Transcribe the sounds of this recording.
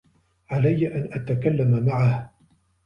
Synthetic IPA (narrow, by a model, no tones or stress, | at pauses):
ʕalajːaʔanʔat̪akalːamamaʕah